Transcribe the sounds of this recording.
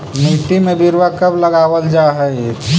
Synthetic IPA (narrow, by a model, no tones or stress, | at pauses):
niːʈimẽbɪɾʋakɐbləɡaːwəld͡ʒaːɦɛe